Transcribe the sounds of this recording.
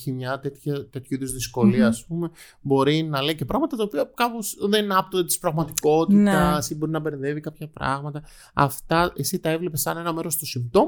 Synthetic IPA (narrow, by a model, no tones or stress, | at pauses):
çimɲɐt̪et̪çɐt̪e̞t̪çuiðo̞zðisko̞liɐːspume̞ | bo̞ɾinɐleice̞pɾɐɣmɐt̪ɐt̪ɐopiɐkɐpo̞sðenɐpt̪ot̪i̥spɾɐɣmɐt̪iko̞t̪int̪ɐsibo̞ɾinɐbe̞ɾnðe̞vikɐpçɐpɾɐ̰ɣmɐt̪ɐ | ɐ̰ft̪ɐʔesit̪ɐe̞vlepesɐne̞nɐme̞ɾo̞st̪osimpt̪o̞m